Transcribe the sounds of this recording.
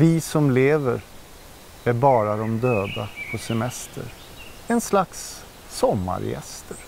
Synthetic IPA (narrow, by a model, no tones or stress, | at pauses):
vɪsɔmleːvəɾ | æɾbɑːɾad̪ɔmd̪øːd̪apʰɔsɛmɛst̪ʰə̰ɾ | ɛnslaksː | ɔmːa̰ɾjɛ̰st̪ʰəɾ